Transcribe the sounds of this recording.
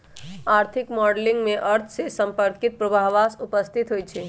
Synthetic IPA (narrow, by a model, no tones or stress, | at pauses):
aɾt̪ʰikmɔɖlĩŋɡmeʔəɾt̪ʰsesə̃mpəɾkit̪̚pɾəbʱaɦʋasupəst̪ʰit̪ɦojt͡ʃʰɛ